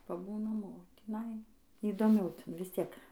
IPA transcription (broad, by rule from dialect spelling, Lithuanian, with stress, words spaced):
pɐˈbuːnɐm oː tʲiːˈnɐɪ iːdoːˈmʲɛʊ ˈtʲɪn ʋʲɪsʲˈtʲiɛk